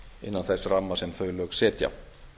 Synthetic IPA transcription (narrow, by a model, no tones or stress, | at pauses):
ɪ̰nːanθɛsramːasɛmθœɥlœːksɛːt̪ja̰